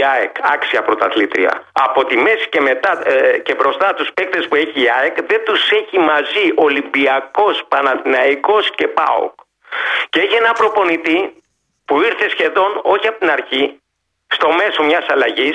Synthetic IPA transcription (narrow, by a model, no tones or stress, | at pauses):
ɐekɐksiɐpɾo̞t̪ɐθlit̪ɾḭɐ̰ɐ̰po̞t̪ime̞si̥ce̞me̞t̪ɐce̞bɾo̞st̪ɐt̪uspek̚t̪e̞spue̞çiːɐekðe̞nd̪use̞çimɐziʔo̞limbiɐko̞spɐnɐðinɐiko̞sce̞pɐ̰o̰k | ceeçie̞nɐpɾo̞po̞nit̪i | puiɾθe̞sçe̞ðo̞no̞çiɐpot̪inɐɾçi | st̪o̞me̞so̞mɲɐsɐlɐʝis